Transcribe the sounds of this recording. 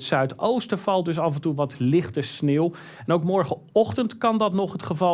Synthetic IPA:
tsœɥtowstəvɑlˠdɵs̬ɑvɛntuʋɑtlɪχtəsneːw | ɛnowkmɔɹχə | ɔχtəntkɑndɑtnɔχɦətχəvɑ

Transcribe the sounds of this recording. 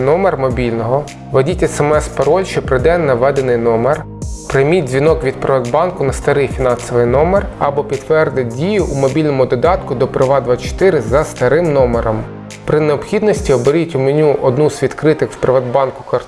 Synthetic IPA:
nɔmermɔbʲilʲnɔɦɔ | ʋɔdʲitʲɛsɛmɛspɐɾɔlʲʃt͡ʃɛpɾɪd̪ɛnːɐʋɛd̪enɪjnɔmer | pɾɪjmʲid̚ʲzʲʋʲinɔkʋʲid̪̚pɾeʋɔd̪bɑnkʊnɐst̪ɐɾɪjfʲinɑnsɔʋɪjnɔmerɐbɔpʲid̪ʋɛrd̪ɪt̚ʲdʲijʊʔumɔbʲilʲnɔmʊd̪ɔd̪ɑt̪kʊd̪ɔpɾɪʋɑd̪ʋɑt͡ʃɔ̥t̪ɪɾɪzɐst̪ɐɾɪmnɔmeɾɔm | pɾɪneɔpxʲid̪nɔsʲtʲiɔbeɾʲitʲʊmenʲuʔɔd̪nuzʋʲid̪kɾɪt̪ɪxwpɾeʋɐd̪bɑnkʊ̥kɐr

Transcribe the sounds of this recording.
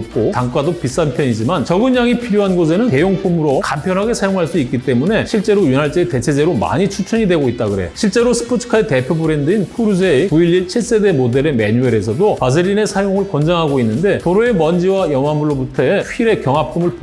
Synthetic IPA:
p̚k͈otaŋk͈adok̚p͈is͈anpʰjʌɲid͡ʑimant͡ɕʌɡɯɲjaŋipʰiɾjoɦanɡos̬ʰe̞nɯnke̞joŋpʰumɯɾokampʰjʌnɦaɡe̞sʰajoŋɦaɭs͈uik͈̚it͈e̞mune̞ɕʰiɭt͡ɕ͈e̞ɾojunɦaɭt͡ɕ͈eete̞t͡ɕʰe̞d͡ʑe̞ɾoma̰ɲit͡ɕʰut͡ɕʰuɲidwe̞ɡoit̚t͈aɡɯɾe̞joɕʰiɭt͡ɕ͈e̞ɾosʰɯ̥pʰotʰɯ̥kʰaete̞pʰjobɯɾe̞ndɯinpʰuɾud͡ʑeikuilːiɭt͡ɕʰiɭs͈e̞de̞mode̞ɾe̞me̞ɲueɾesʰʌdopas̬ʰɯɾine̞sʰajoŋɯɭkʌnd͡ʑaŋɦaɡoinːɯnde̞toɾoe̞mʌnd͡ʑiwajʌŋamuɭːobutʰʌɸiɾe̞kjʌŋɦap͈ʰumɯɭp

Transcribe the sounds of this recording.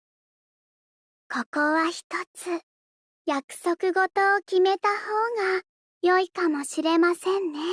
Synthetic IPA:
ko̞ko̞βaçi̥t̪ot͡sɨ | jakɯ̟̥sokɯ̟ɡo̞t̪o̞ːkʲime̞t̪aho̞ːɡa | jo̞ikamo̞ɕiɾe̞masẽnːe̞

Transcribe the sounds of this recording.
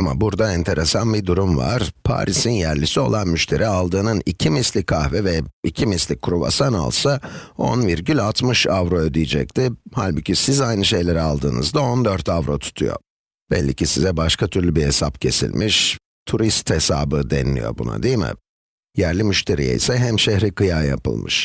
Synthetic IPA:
ama̰buɾd̪aɛnt̪ʰe̞ɾesanbid̪uɾumva̰ɾ̥pʰa̰ːɾʔisinjæɾlʲisio̞̰lˠanmyʃt̪ʰe̞ɾʔialˠd̪ɯːnɯnicʰimislʲikʰːahvɛvɛicʰimislʲikʲʰːuɾuva̰sana̰lˠsao̞̰nviɾɟylʲalˠt̪mɯʃavɾo̞ød̪ijid͡ʒɛc̚t̪ʰɪhalʲbucʰʲisizajnɯʃe̞jlʲeɾialˠd̪ɯːnɯ̰zd̪ao̞nd̪øɾt̪ʰavɾo̞t̪ʰu̥t̪ʰujo̞̰ | b̥ɛ̰lʲːicʰisizɛbaʃkʰat̪ʰyɾlʲybiesapcʰe̞sḭlʲmʔiʃ | t̪ʰuɾist̪hesaːbɯd̪ɛnlʲḭjo̞̰bṵna̰d̪ijmɪ̰ | jæɾlʲimyʃt̪ʰe̞ɾḭjɛ̰isɛɦæmʃehɾikɯjaːja̰pɯ̰lˠmɯ̰ʃ

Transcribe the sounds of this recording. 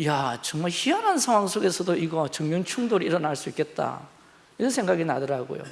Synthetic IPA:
jat͡ɕʌŋmaɭçianɦansʰaŋɦwaŋsʰoɡe̞sʰʌdoiɡʌt͡ɕɯŋmjʌŋt͡ɕʰuŋdoɾiiɾʌnaɭs͈uik͈e̞t̚t͈a̰ | iɾʌnsʰe̞ŋɡaɡinadɯɾaɡo̰jo̰

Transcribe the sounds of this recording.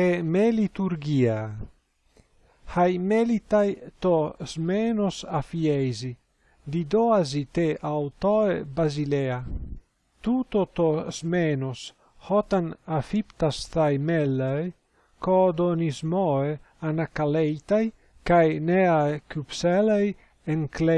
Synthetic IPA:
emelit̪uɾɡia | hajmelit̪ajt̪ozmenosafiejzi | d̪id̪oazit̪eʔawt̪oebazilea | t̪ut̪ot̪ozmenos | hɔt̪anafipt̪ast̪ajmelːaj | kod̪onizmɔe | anakalejt̪aj | kajneajkypselaj | eŋkle

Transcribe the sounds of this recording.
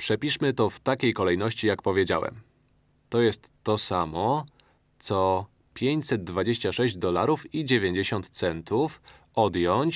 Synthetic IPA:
pʂɛpʲiʂmɘt̪ɔft̪akʲejkɔlɛjnɔɕt͡ɕijak̚pɔvʲjed͡ʑa̰wɛ̰m | t̪ɔjɛst̪ːɔsamɔ | t̪sɔ | pʲjeɲt͡ɕsɛd̪̚d̪vad͡ʑeɕt͡ɕaʂɛʑd͡ʑd̪ɔlaɾufid͡ʑevʲjeɲd͡ʑeɕɔnt̪t̪sɛnt̪uf | ɔd̪jɔɲt͡ɕ

